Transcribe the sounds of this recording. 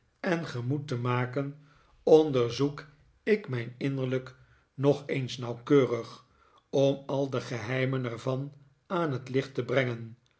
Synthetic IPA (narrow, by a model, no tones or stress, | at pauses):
ɛnχəmutəmaːkən | ɔndəɹzuk | ɪkmɛjnɪnəɹlək | nɔχejnsnɑwkøːrəχ | ɔmɑlˠdəχəɦɛjmənɛɹvɑn | aːnɦətlɪχtəbrɛŋən